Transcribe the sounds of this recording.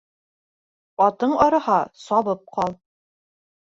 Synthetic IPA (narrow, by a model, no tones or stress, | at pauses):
ɒt̪ɤɴɒɾɤ̆hɑsɑβɤp̚qɑlˠ